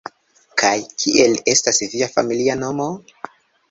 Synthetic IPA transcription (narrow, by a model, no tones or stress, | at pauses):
kʰajkʰiʔe̞le̞stasviafa̰miliano̞mo̞